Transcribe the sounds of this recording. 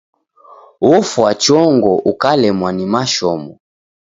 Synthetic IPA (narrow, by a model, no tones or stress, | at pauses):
wɔfwat͡ʃɔŋɡɔʔukalɛmwanimaʃɔmɔ